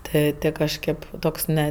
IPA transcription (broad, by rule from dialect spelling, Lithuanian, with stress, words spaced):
ˈtɜ ˈtɜ kɐʃʲˈkʲeːp ˈtoːks nʲɛ